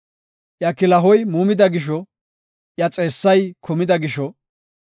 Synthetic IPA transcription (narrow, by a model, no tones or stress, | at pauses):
ʔjɐkːɪlɐɦɔjmuːmɪd̪ɐɡɪʃ̬ɔ | jɐt͡sʼe̞ːsːɐjkʰɔmɪd̪ɐɡɪʃɔ